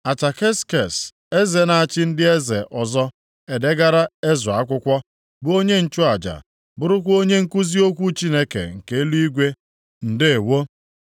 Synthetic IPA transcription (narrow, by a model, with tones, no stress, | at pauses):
a˨t͡ʃa˨ke˦ske˨s | e˦ze˨na˨a˨t͡ʃɪ˦n̩˦dɪ˦e˦zḛ˨ʔɔ˨zɔ˦ | e˨de˦ɡa˦ɾa˦e˦zʊ˨a˨˦kʷʊ˦kʷɔ˦ | bʊ˦o˦ɲe˦n̩˦t͡ʃʊ˦a˨d͡ʒa̰˨ | bʊ˦ɾʊ˦kʷo˦ɲe˦ŋ̩˦ku˦zi˦o˦kʷu˦t͡ʃi˦ne˦kḛ˨ŋ̩˨ke˦e˦lu˦i˦ɡʷe˦ | n̩˨dɪ˦e˨wo˦